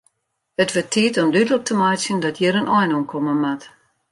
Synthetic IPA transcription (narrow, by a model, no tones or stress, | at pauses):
ətʋətʰiːətɔmdydələk̚tʰəmɔjsjəndɔtjəɾənʔɔjnomkʰoməmat